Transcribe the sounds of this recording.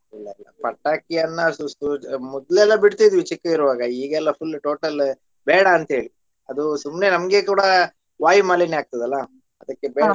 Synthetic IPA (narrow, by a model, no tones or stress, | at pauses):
ilːɐilːɐ̰pɐʈːaːkijɐnːɐsusumɔd̪lɛlːɐbiɽt̪id̪ʋit͡ʃikːɐiɾuʋaːɡɐiːɡɛlːɐpʰulːʈo̞ːʈɐl | bɛːɽɐːnt̪ɐɦe̞ːɭi | ɐd̪usumne̞nɐmɐɡe̞kuːɽɐ | ʋaːjimaːliniaːɡ̚t̪ɐd̪ɐlːɐ | ɐd̪ɐkːebɛːɽ